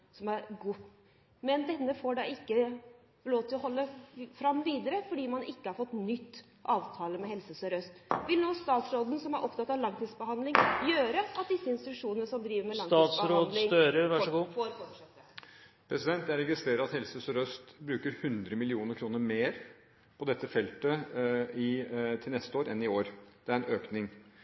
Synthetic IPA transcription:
sɔmæɾɡuː | mɛnd̪ɛnːəfoːɖɑːɪkːə | loːt̪ʰɪlɔɦɔlːəfɾɑmːʋiːd̪əɾəfɔɖiːmɑnʔɪkːəhɑɾfɔt̪ːnʏt̪ː | ʔɑːʋt̪ʰɑːləmɛhɛlsəsœɾœst̪ʋɪlnuːst̪ɑːt̪sɾoːd̪n̩sɔmæɾʔɔpt̪ɑt̪ːɑʋlɑŋt̪ʰiːd̪sbəhɑnd̪lɪŋjøːɾəɑt̪̚d̪ɪsːəɪnst̪ɪt̪ʉʂuːnənəsɔmd̪ɾiːʋəɾmɛlɑŋt̪ɑːt̪sɾoːd̪lɪŋøːɾəɾʋæʂɡuːfɔɾfɔʂɛt̪ːə | pʰɾɛsɪd̪ɛnt̪æɾɛɡɪst̪ɾeːɾəɑt̪hɛlsəsœɾœst̪bɾʉːkəɾhʉnd̪ɾəmɪlɪuːnəɾkʰɾuːnəɾmeːɾ | pʰɔd̪ɛt̪ːəfɛlt̪əɪt̪ʰɪlnɛst̪əoːɾɛnɪoːɾd̪̥ɛæɾɛnøːknɪŋ

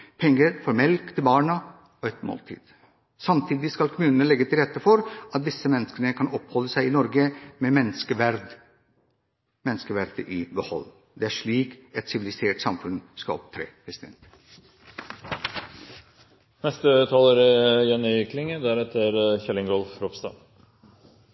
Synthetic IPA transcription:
pʰɛŋːəɾfɔɾmɛlkt̪ʰɪlbɑːɳə | ɔɛt̪mo̰ːlt̪ʰḭːd̪̥ | sɑmt̪ʰiːd̪ɪskɑlkʰʊmʉːnənəlɛɡːət̪ʰɪlɾɛt̪ːəfɔɾʔɑt̪̚d̪ɪsːəmɛnːəskənəkʰɑnɔphɔlːəsæɪɪnɔɾɡəmɛmɛnːəskəʋæɾd̪ | mɛnːəskəʋæɾd̪̥əʔɪbəhɔ̰lː | d̪ɛæʂɭiːkɛt̪sɪʋɪlɪseːʈsɑmfʉnskɑ̰ɔ̰p̚t̪ʰɾḛːpɾɛsɪd̪ɛ̰nt̪ | nɛst̪ət̪ʰɑːloɾɪjɛnːɪknɪŋəd̪æɾɛt̪ʰːəɾçɛlːɪŋɡɔlfɾɔpst̪ɑ̰ː

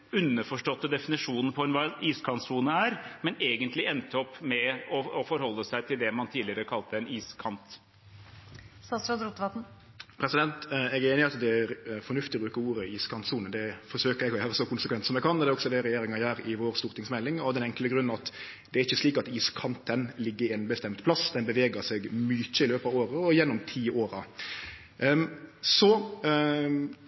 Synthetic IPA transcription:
ʉnːəfɔʂʈɔt̪ːəd̪ɛfɪnɪʂuːnn̩pʰɔɛnʋɑiːskʰɑnt̪suːnəæɾmɛneːɡənt̪lɪɛnt̪əɔpːmɛɔɔfɔɾhɔlːəsæɪt̪ʰɪld̪ɛmɑnt̪ʰiːlɪəɾəkʰɑlt̪əɛniːskʰɑnt̪ | sɑsɾɑd̪ɾut̪ʋɑt̪n̩ | pʰɾɛsɪd̪ɛnt̪ɛɡeːnɪɑt̪d̪ɛæɾfɔnʉft̪ɪɔbɾʉːkəuːɾəiːskʰɑnt̪suːnəd̪ɛfɔɾʂøːkəɾɛɡɔjæːɾəsɔkʰʊnsəkʰʋɛnt̪sɔmɛɡkʰɑnːd̪ɛːɔɡsɔd̪ɛɾɛjeːɾɪŋɑjæːɾɪʋoːɾst̪uːɾt̪ʰɪŋsmɛlːɪŋɔd̪ɛnɛŋkləɡɾʉnːɑt̪ | d̪ɛæɾɪçːəsliːkɑt̪iːskʰɑnt̪ʰənlɪɡːəɾɪɛnbəst̪ɛmt̪pʰlɑsd̪ɛnbəʋeːɡəsɛɡmyːt͡ʃːəɪløːpɑːʋoːɾəɔjɛnːʊmt̪ʰiːoːɾɑ | sɔ

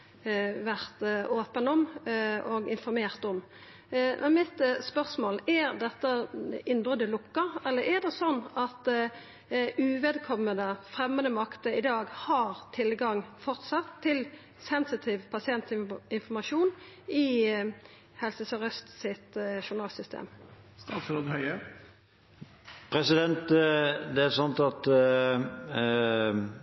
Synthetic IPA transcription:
ʋæʁt̪oːpənɔmɔɡɪnfɔɾmeːʁt̪ɔm | mʔɛnmɪt̪spœʁsmoːlæɾd̪ɛt̪ːəɪnbʁœd̪əlʊkːəɾɛlːəɾɛɾd̪ɛsɔnːɑt̪ | ʉʋeːd̪kʰɔmːəd̪əfʁɛmːənd̪əmɑkt̪əɪd̪ɑːɡhɑːɾt̪ʰɪlɡɑŋfɔʁt̪sɑt̪ʰːɪl | sɛnsɪt̪ʰiːʋpʰɑsɪɛnt̪ɪnfɔmɑʃuːn | ɪ | hɛlsəsɛʁœst̪sɪt̪ʃʊnɑːlsʏst̪ʰḛːm | st̪ɑːt̪fɾɔd̪hœʏə | pʰɾɛsɪd̪ɛnt̪d̪ɛæɾsɑnt̪ɑt̪

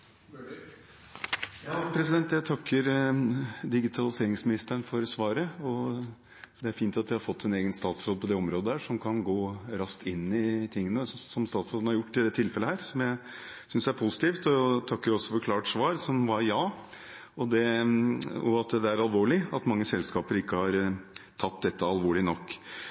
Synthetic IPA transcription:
jɑːpʰɾɛsɪd̪ɛnt̪jæt̪ʰɑkːəɾ | d̪ɪɡɪt̪ʰɑlɪseːɾɪŋsmɪnɪst̪əəɳfɔɾsʋɑːɾəɔ | d̪ɛæɾfiːnt̪ɑt̪ʋɪhɑɾfɔt̪ʰːɛneːɡənst̪ɑːt̪sɾoːd̪̚pʰɔd̪ɛɔmɾoːd̪əhæːʂɔmkʰɑnɡoːɾɑst̪ʰɪnːɪt̪ʰɪŋːənəsɔmst̪ɑːt̪sɾoːd̪n̩hɑɾjʊʈːɪld̪ɛːt̪ʰɪlfɛlːəhæːɾsɔmjæɪ | sʏnsjæɾpʰʊsɪ̥t̪iːft̪ɔt̪ʰɑkːəɾɔsːɔfɔɾkʰlɑːʈʂʋɑːɾsɔmʋɑɾjɑː | ɔd̪ɛ | ɔɑt̪d̪ɛæɾɑlʋoːɭɪɑt̪mɑŋːəsɛlskɑːpəɾɪkːəhɑɾt̪ʰɑt̪d̪ɛt̪ːəɑlʋoːɭɪnɔkː

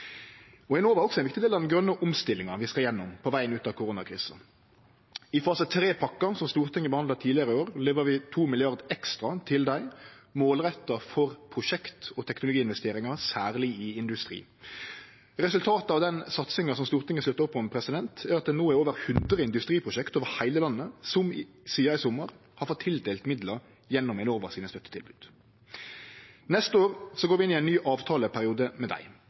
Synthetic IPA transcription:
ɔɛnoːʋæɾɔksɔɛnʋɪkt̪d̪eːlɑʋd̪nɡɾœnːəʔɔmst̪ɪlːɪŋɑʋɪskɑɾjɛnːɔmpʰɔʋæɪənʉːt̪ɑkʰʊɾʊːnɑkʰɾḭːsə | ɪfɑːsət̪ʰɾeːpʰɑkːɑsɔmst̪uːɾt̪ʰɪŋːəbəhɑnd̪ɑt̪ʰiːlɪəʁəoːɾleːʋəɾʋɪt̪ʰuːmɪlɪɑʁd̪ɛkst̪ɾɑt̪ʰɪld̪æɪmoːlʁɛt̪ːəfɔɾpʰʁʊʃɛkt̪ɔt̪ʰɛknʊlʊɡiːɪnʋɛst̪eːɾɪŋɑsæːʁlɪɪɪnd̪ʉst̪ɾḭː | ʁɛsʉlt̪ʰɑːt̪əɑʋd̪ɛnsɑt̪sɪŋɑsɔmst̪uːʁt̪ɪŋːəslʉt̪ːəɾʊpːɔmpʰɾɛsɪd̪ɛnt̪ʰæːɾɑt̪̚d̪ɛnoːæɾoːʋəɾhʉnd̪ʁəɪnd̪ʉst̪ʁiːpʰʁʊʃɛkt̪oːʋəɾhæɪləlɑnːəsɔm | siːɑɪsɔmːəʁ | hɑɾfɔt̪ʰːɪld̪eːlt̪mɪd̪ləɾ | jɛnːʊmɛɪnoːʋəʁsiːnəst̪œt̪ːə̥t̪ʰɪlbʉːd̪̥ | nɛst̪əoːʁsɔɡoːʋɪɪnɪæɪnnyːʔɑːʋt̪ʰɑːləpʰæɾɪuːd̪əmɛd̪æ̰ɪ

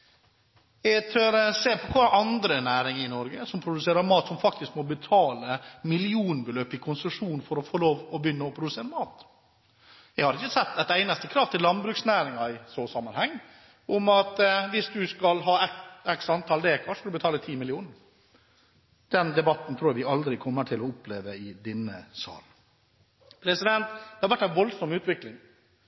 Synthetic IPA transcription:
jɛɡt̪ʰøɾseːpʰɔkʰɑːʔɑnd̪ɾənæːɾɪŋɾɪnɔɾɡəsɔmpʰɾʊd̪ʉseːɾəɾmɑːt̪sɔmfɑk̚t̪ɪskmɔbət̪ʰɑːləmɪlɪuːnbəløːpɪkʰʊnsəʂuːnnfɔɾɔfɔloːʋɔbjʏnːəɔpʰɾʊd̪ʉseːɾəmɑːt̪ | jɛɡhɑɾɪçːəsɛt̪ːæt̪æɪnɑst̪əkʰɾɑːʋt̪ʰɪlːɑnd̪bɾʉːksnæːɾɪŋɑɪsoːsɑmːənhɛŋː | ʔʊmɑt̪ʋɪsd̪ʉskɑlɦɑːɛɛksɑnt̪ʰɑːld̪ɛkʰɑʂkɑlbət̪ʰɑːlət̪ʰiːmɪlɪuːnɾ | d̪̥ɛnd̪ɛbɑt̪nt̪ʰɾuːæʋɪɑld̪ɾɪkʰɔmːəʈʰɪlɔɔpleːʋəɪd̪ɛnːəsɑ̰ːl | pʰɾɛsɪd̪ɛnt̪d̪ɛhɑɾʋæʈːæɪnʋɔlsɔmʉːt̪ʋɪklɪŋ

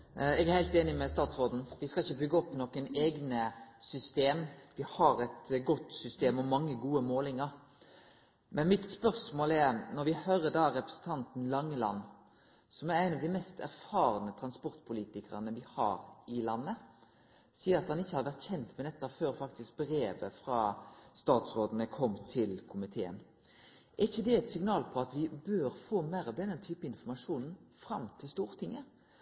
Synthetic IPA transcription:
ɛɡæɾhæɪlt̪eːnɪmɛst̪ɑːt̪sʁoːd̪n̩ʋɪskɑçːəbʏɡːəɔpːnɔkəneːɡnəsʏst̪eːmʋɪhɑɾɛt̪ɡɔt̪sʏst̪eːmɔmːɑŋːəɡuːəmoːlɪŋəɾ | mɛnmɪt̪spœɾsmoːlɛɾnɔɾʋɪhøːɾəd̪ɑːɾɛpɾə̥sən̩t̪ʰɑnt̪n̩lɑŋːəlɑ̰nː | sɔmæɾæɪnɑʋd̪æmɛst̪ʰæɾfɑːɾənət̪ʰɾɑnspɔʁt̪pʰʊliːt̪ɪkəʁənəʋɪhɑ̰ːɾɪlɑnːə | siːəɾɑt̪hɑnɪçːəhɑɾʋæʁt̪çɛnt̪mɛd̪ɛt̪ːɑføːɾfɑkt̪ɪsk̚bɾeːʋəfʁɑːst̪ɑːt̪sɾoːd̪ənəkʰɔmːt̪ʰɪlkʰʊmɪt̪ʰeːə̰n | ʔæʁɪçːəd̪ɛɛt̪sɪŋnɑːlpʰɔɑt̪ʋɪbøːɾfoːmæɪɾɑʋd̪ɛnənt̪ʰyːpəɪnfɔmɑʂuːnn̩fɾɑmt̪ʰɪlst̪uːɾt̪ʰɪŋːə

